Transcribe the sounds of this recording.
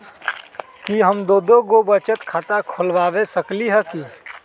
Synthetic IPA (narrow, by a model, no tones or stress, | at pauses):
kiɦəmd̪oːd̪oɡoːbət͡ʃət̪kʰaːt̪akʰʊlʋaːʋesəkliɦɛkiː